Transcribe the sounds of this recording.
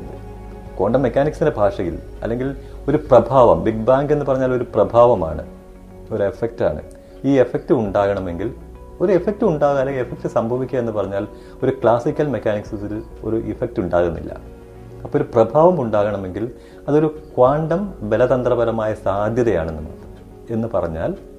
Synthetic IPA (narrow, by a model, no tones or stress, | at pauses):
kwoːɳɖɐmːekʲːaːniksindebʱaːʂɐɣḭlɐ̰lːe̞ŋɡilo̞ɾuprɐbʱaːʋɐmbiɡ̚baːŋɡe̞nːɨpɐrɐɲːaːlo̞ɾuprɐbʱaːʋɐma̰ːɳɨ̰ | o̞ɾue̞fek̚ta̰ːɳɨ̰ | iːe̞fek̚tɨuɳɖaːɣɐɳɐme̞ŋɡil | oɾuefek̚tɨuɳɖaːɣɣɐlːeŋɡilefek̚ʈːɨsɐmbʱɐʋikʲːɐe̞nːɨpɐrɐɲːaːl | o̞ɾukɭaːsikʲːɐlmekːaːniksisil | o̞̰ɾuʔifek̚tuɳɖaːɣunːḭlːɐ̰ | ɐpːooɾuprɐbʱaːʋɐmuɳɖaːɣɐɳɐme̞ŋɡil | ɐðo̞ɾukwaːɳɖɐmbe̞lɐd̪ɐnd̪rɐbɐɾɐmaːjɐsaːd̪ʱjɐðɐja̰ːɳenːɨmɐ̰ | e̞nːɨpɐrɐɲːa̰ːl